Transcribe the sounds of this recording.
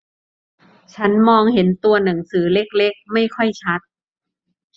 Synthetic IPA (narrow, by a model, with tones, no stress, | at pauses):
t͡ɕʰa˦˥nmɔː˧ŋhe˩˦nt̪u˧ɐna˩˦ŋsɯː˩˦le˦˥k̚le˦˥k̚ma˥˩jkʰɔ˥˩jt͡ɕʰa˦˥t̪̚